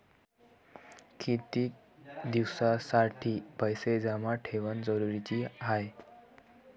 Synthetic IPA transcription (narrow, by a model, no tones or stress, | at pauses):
kit̪iːk̚ | d̪iwsasaʈʰiːbʱəjsed͡zamaʈʰeʋənd͡zəɾuɾit͡ɕiːɦaj